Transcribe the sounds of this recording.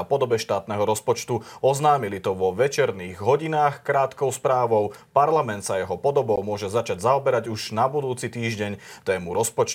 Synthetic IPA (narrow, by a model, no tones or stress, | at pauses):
apɔd̪ɔbɛʃt̪aːt̪nɛɦɔɾɔspɔt͡ʃt̪uɔznaːmilit̪ɔʋɔʋɛt͡ʃɛɾniːɣɦɔɟinaːxkɾaːt̪kɔʊspɾaːʋɔʊpaɾlamɛnt̪sajɛɦɔpɔd̪ɔbɔʊmʊɔʒɛzat͡ʃaɟzaɔbɛɾaɟuʒnabud̪uːt͡sit̪iːʒɟɛɲt̪ɛːmuɾɔspɔt͡ʃt̪